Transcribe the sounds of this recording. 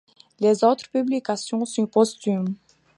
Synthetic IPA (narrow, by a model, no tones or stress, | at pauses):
lezot̪χpyblikasjɔ̃sɔ̃kɔst̪ym